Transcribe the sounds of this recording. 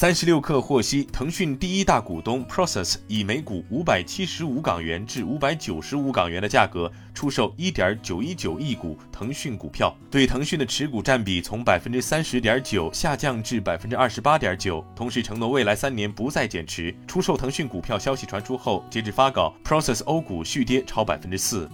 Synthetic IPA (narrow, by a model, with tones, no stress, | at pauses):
sa˥nʂɻ̩˧˥ljo˥˧ʊkʰɤ˥˧xwɔ˥˩ɕi˥t̪ʰɤ˧˥ŋɕy˥˧nt̪i˥˩i˥t̪a˥˩ku˨˩t̪ʊ˥ŋpʰɹɔ˥sɛ˥˩si˨˩me˧˥ɪku˨˩u˧˥pa˨˩ɪt͡ɕʰi˥ʂɻ̩˧˥u˧˥kɑ̰˨˩ŋɥɛ˧˥nʈ͡ʂɻ̩˥˩u˧˥pa˧˥ɪt͡ɕjo˨˩ʊʂɻ̩˧˥u˧˥kɑ˨˩ŋɥɛ˧˥nd̪ə˧t͡ɕja˥˩kɤ˧˥ | ʈ͡ʂʰu˥ʂo˥˩ʊi˥t̪jɐ˞˧˥t͡ɕjo˨˩ʊi˥t͡ɕjo˨˩ʊi˥˩kṵ˨˩˦t̪ʰɤ˧˥ŋɕy˥˩nku˨˩pʰjɑ˥˩ʊt̪we˥˩ɪt̪ʰɤ˧˥ŋɕy˥˩nd̪ə˩ʈ͡ʂʰɻ̩˧˥ku˨˩ʈ͡ʂa˥˩npi˨˩t͡sʰʊ˧˥ŋpa˨˩ɪfə˥nʈ͡ʂɻ̩˥sa˥nʂɻ̩˧˥t̪jɐ˞˧˥t͡ɕjo˨˩ʊɕja˥˧t͡ɕjɑ˥˧ŋʈ͡ʂɻ̩˥˩pa˨˩ɪfə˥nʈ͡ʂɻ̩˥ɐ˥˩ʂ̩˧˥pa˥t̪jɐ˞˧˥t͡ɕjo˨˩ʊt̪ʰʊ˧˥ŋʂɻ̩˧˥ʈ͡ʂʰɤ˧˥ŋnwɔ˧˥we˥˩ɪla˧˥ɪsa˥nnjɛ˧˥npu˧˥t͡sa˥˩ɪt͡ɕjɛ˨˩nʈ͡ʂ̩ʰ˧˥ʈ͡ʂʰu˥ʂo˥˩ʊt̪ʰɤ˧˥ŋɕy˥˩nku˨˩pʰjɑ˥˩ʊɕjɑ˥ʊɕi˨˩ʈ͡ʂʰwa˧˥nʂʰu˥xo˥˩ʊt͡ɕjɛ˧˥ʈ͡ʂɻ̩˧˥˩fa˥kɑ˨˩˦ʊpʰɹɔ˥sɛ˥˩so˥ʊku˨˩ɕy˥˩t̪jɛ˥ʈ͡ʂʰɑ˥ʊpa˨˩ɪfə˥nʈ͡ʂ̩˥sɹ̩˥˩